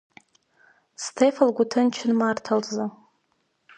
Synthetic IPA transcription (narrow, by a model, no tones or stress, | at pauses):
stʰefalɡʷʊtʰɨnt͡ʃʰɪnmartʰalza